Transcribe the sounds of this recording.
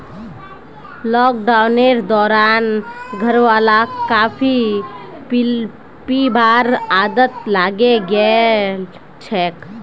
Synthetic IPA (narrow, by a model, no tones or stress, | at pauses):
lɔːk̚ɖaʊneɾd̪ɔːɾaːnɡʱəɾʋaːlakaːpʰi | pibaːɾaːd̪ət̪laːɡeɡəe | t͡ʃʰɛːk